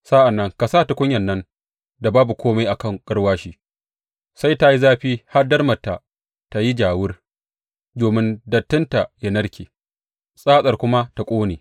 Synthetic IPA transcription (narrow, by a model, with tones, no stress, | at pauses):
sa˦ʔa˨nːɐ˦ŋka˨saː˦˨ta˨kʷʼʊ˦ɲjɐ˨nːɐ˦n | da˨baː˦bu˨kʷoː˦ma˦jʔa˨kɐ˦˨ŋkʼɐ˦ɽwaː˦ʃi˦ | sa˦jta˦ji˦zaː˦ɸiː˦ha˦rdɐ˦rmɐ˨tːa˨ | ta˨ji˦d͡ʒaː˨wʊ˦r | doː˨mɪ˦ndɐ˨tːɪ˦nta˨ja˦nɐ˦ɽkʲeː˨ | sʼaː˦sʼɐ˨rkʷʊ˦ma˦ta˨kʷʼoː˦neː˨